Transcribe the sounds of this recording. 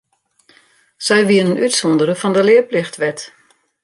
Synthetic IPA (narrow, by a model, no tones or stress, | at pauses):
sɛjʋiənənytsɔndəɾəfɔndəlɪəplɪxtʋɛt